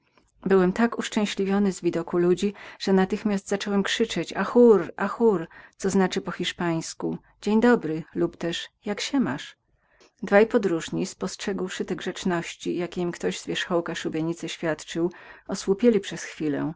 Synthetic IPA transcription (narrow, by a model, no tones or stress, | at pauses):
bɘwɛmt̪akuʂt͡ʂɛ̃w̃ɕlʲivʲjɔnɘzvʲid̪ɔkulud͡ʑiʐ̥ɛnat̪ɘxmʲasd̪zat͡ʂɔwɛmkʂɘt͡ʂɛt͡ɕaxuɾʔaxuɾt̪sɔznat͡ʂɘpɔxʲiʂpaj̃sku | d͡ʑeɲd̪ɔbɾɘlupt̪ɛʂjakɕɛmaʂ | d̪vajpɔd̪ɾuʐɲispɔstʂɛɡwʂɘt̪ɛɡʐɛt͡ʂnɔɕt͡ɕijakʲeimkt̪ɔʑz̥vʲjɛʂxɔwkaʂubʲjɛɲit̪sɛɕfʲjat̪t͡ʂɘwɔswupʲjelʲipʂɛsxfʲilɛ̰